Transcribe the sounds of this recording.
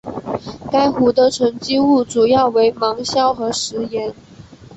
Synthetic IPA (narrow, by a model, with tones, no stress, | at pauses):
ka˥ɪxu˧˥t̪ə˧ʈ͡ʂʰə˧˥ŋt͡ɕi˥u˥˩ʈ͡ʂu˨˩jɑ˥˩ʊwe˧˥ɪmɑ˧˥ŋɕjɑ˥ʊxɤ˧˥ʂɻ̩˧˥jɛ˧˥n